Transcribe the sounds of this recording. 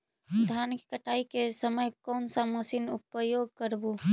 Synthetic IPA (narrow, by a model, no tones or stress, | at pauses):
d̪ʱankkəʈʰaikesəməjkɔnsəməsinupəjoɡ̚kəɾbu